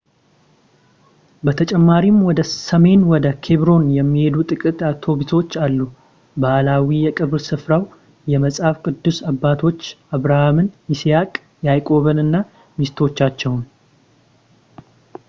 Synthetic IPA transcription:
bət̪ʰət͡ʃʼɛmːaɾimwɔd̪əsəme̞nwɔd̪əkʰe̞βɾo̞njɛmːihe̞d̪ut̪ʼɨkʼɨt̪at̪ʰo̞biso̞t͡ʃːalːu | baʔlawijɛkʼɨβɾsɨfɾaw | jɛməsʼhafkʼɨd̪ːusabːat̪ʰo̞t͡ʃːʔaβɾahamɨnisijakʼ | jajkʼo̞βəlɨnːa | mist̪ʰo̞t͡ʃːat͡ʃːɛwn

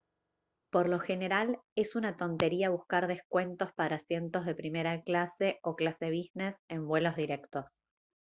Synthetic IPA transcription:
po̞ɾlo̞xe̞ne̞ɾale̞sunat̪o̞nt̪e̞ɾiaβ̞uskaɾðe̞hkwe̞nt̪o̞spaɾaːsje̞nt̪o̞zð̞e̞pɾime̞ɾaklase̞oklase̞β̞izne̞se̞mbwe̞lo̞zðiɾe̞kt̪o̞s

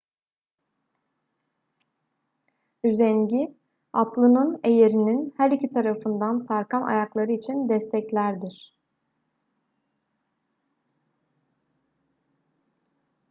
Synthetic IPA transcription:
yzɛnɟi | at̪ʰlˠɯnɯne̞jeɾininhæɾicʰit̪ʰaɾafɯnd̪ansaɾkʰanʔa̰jaklˠaɾɯit͡ʃʰind̪ɛst̪ʰɛclʲæɾd̪iɾ̥

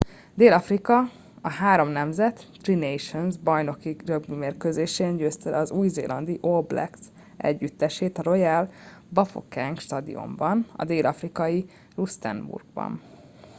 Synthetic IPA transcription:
d̪eːlɒfrikɒ | ɒɦaːɾo̞mnɛmzɛt̪ːrinejʃonzbɒjno̞kirøbmimeːrkøzeːʃeːnɟøːst̪ɛlɒzuːjzḛːlʔɒnd̪iʔoblɛ̰ks | ʔɛ̰ɟːyt̪ːɛʃeːt̪ɒɾo̞jɛlbɒfo̰kɛŋkʃt̪ɒd̪ḭo̞̰mbɒnɒ̰d̪eːlʔɒfrikɒji | rust̪ɛ̰nbṵrɡ̚bɒ̰n

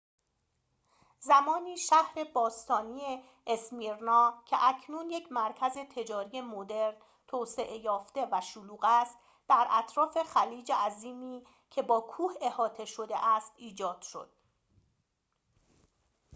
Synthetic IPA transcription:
zæmɒːniːʃæhɾe̞bɒːst̪ʰɒːniːeː | smiɾnɒːcʰe̞ʔæcʰnuːnjecʰmæɾcʰæze̞t̪ʰe̞d͡ʒɒːɾije̞mod̪e̞ɾn | t̪ʰoːse̞ʔejɒːft̪e̞væʃuluːɣæst̪ | d̪̥æɾʔæt̪ʰɾɒːfe̞xæliːd͡ʒeʔæziːmiː | cʰe̞bɒːkʰuːhe̞hɒːt̪ʰe̞ʃod̪e̞ʔæst̪ʔiːd͡ʒɒːd̪̥ʃo̞̰d̪̥̚

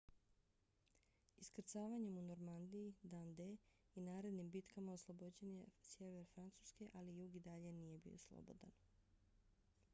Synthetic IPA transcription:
iskr̩t̪saːʋaɲe̞muno̞ɾmand̪iid̪and̪e | inaːɾe̞d̪nimbit̪kamaoslˠo̞bod͡ʑe̞ɲesje̞ʋeɾfɾant̪suske̞ʔalijuɡid̪aʎe̞nije̞bḭo̰slˠo̰bo̰d̪a̰n

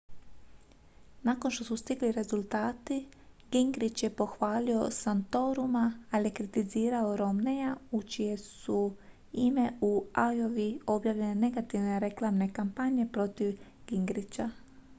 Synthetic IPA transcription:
nako̞nʃt̪o̞sust̪iɡliɾe̞zulˠt̪aːt̪i | ɡ̥iŋɡɾit͡ɕje̞po̞xʋaːlio̞̰sant̪o̞ɾumaːlije̞kɾit̪iziːɾaoɾo̞mne̞jaut͡ʃije̞su | ime̞uajo̞ʋio̞bjaːʋʎe̞nene̞ɡat̪iʋne̞ɾe̞klˠaːmne̞kampaɲe̞pɾo̞t̪iʋ | ɡ̥iŋɡɾit͡ɕa

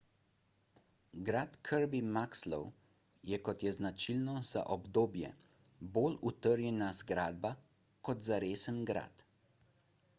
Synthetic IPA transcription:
ɡɾaːt̪kʰəɾbimakslɔ̰w | jɛkɔt̪jɛznat͡ʃilnɔz̥a̰ʔɔbd̪oːbjɛ̰ | boːlut̪əɾjɛnazɡɾaːd̪̚ba | kɔt̪zaɾeːsənɡɾa̰ːt̪

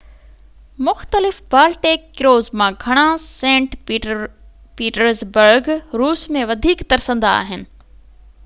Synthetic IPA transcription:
mʊxt̪əlɪfbaːlʈeːkːɪɾoːzmãɡʱɐɽ̃asẽːɳʈ | piːʈəɾzbəɾɡɾuːsmẽʋɐd̪ʱiːkt̪ɐɾsə̃nd̪aa̰ːɦɪnɪ̆

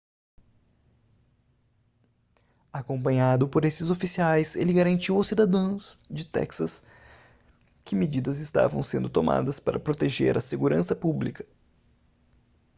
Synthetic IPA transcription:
akõmpɐ̃ɲad̪ʊpoɾesɪzofisiajselɪɡaɾɐ̃nt͡ʃiwʊsid̪ad̪ɐ̃w̃zd͡ʒɪt̪ɛ̰ksɐs | kɪmed͡ʒid̪ɐzɪst̪a̰vɐ̃w̃sẽnd̪ʊt̪oma̰d̪ɐspaɾɐpɾot̪eʒḛɾɐseɡuɾɐ̃sɐpublikɐ̥

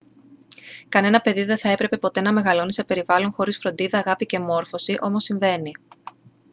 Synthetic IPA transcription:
kɐne̞nɐpe̞ðiðe̞θɐe̞pɾe̞pe̞po̞t̪e̞nɐme̞ɣɐlo̞nisepe̞ɾivɐlo̞ŋxo̞ɾisfɾo̞nd̪iðɐːɣɐpice̞mo̞ɾfo̞siʔo̞mo̞siɱve̞ni

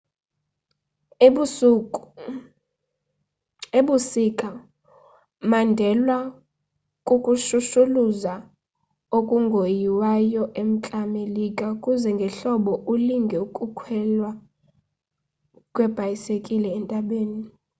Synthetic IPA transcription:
u | eɓusikʼa | mandʱɛlwa | kʼukʼuʃuʃuluza | okʼuŋɡʱojiwajɔʔem̩t͡ɬʼamelikʼakʼuzɛŋɡʱɛɬɔɓɔʔuliŋɡʱɛukʼukʰwɛlwa | kʼwɛb̥ʱajisekʼilɛːntʼaɓeːni

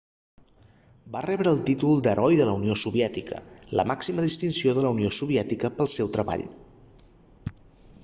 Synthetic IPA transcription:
barɛβɾəːlˠt̪it̪ulˠd̪əɾʔɔjðələuniosuβiɛt̪ikə̰lə̰maksiməðist̪insioðələuniosuβiɛt̪ikəpəlˠsɛwt̪ɾəβa̰ʎ

